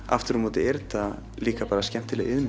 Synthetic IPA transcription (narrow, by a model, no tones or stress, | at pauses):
a̰ft̪ɪɾ̥hunmɔːt̪ɪɛɾt̪a | liːkapaːɾascɛm̥t̪ɪlɛɣɪðm